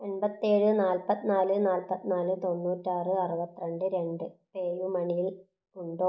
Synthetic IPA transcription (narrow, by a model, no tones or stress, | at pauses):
enbɐt̪ːieːɻɨnaːlpɐt̪ːinaːlɨnaːlpɐt̪ːinaːlɨt̪o̞nːuːtːaːrɨɐrubɐt̪ːiɾɐɳɖɨɾe̞ɳɖɨpeːjumɐɳijil | uɳɖoː